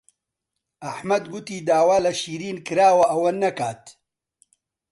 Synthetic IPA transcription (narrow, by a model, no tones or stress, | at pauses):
ʔɐħmɐd̪ɡʊt̪iːd̪aːwaːlɐʃiːɾiːnkɨɾaːwɐʔɐwɐnːɐkaːt̪